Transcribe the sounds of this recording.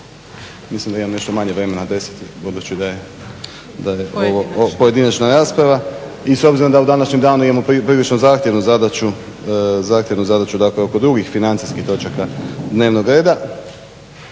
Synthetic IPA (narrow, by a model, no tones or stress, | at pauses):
mislimd̪aimamne̞ʃt̪omaɲe̞ʋɾe̞me̞nad̪e̞sḁt̪ibud̪ut͡ɕid̪aje | d̪aje̞ʔo̞ʋo̞po̞je̞d̪inat͡ʃnaɾaːspɾaʋaiso̞bziɾod̪aud̪anaʃɲemd̪aːnuimamopipɾiːlit͡ʃnozaːxt̪ʲjeʋnuzad̪at͡ʃu | zaːxt̪jeʋnuzad̪at͡ʃud̪akleo̞ko̞d̪ɾuɡixfinant̪siskixt̪o̞t͡ʃakad̪ne̞ːʋno̞ɡɾe̞ːd̪a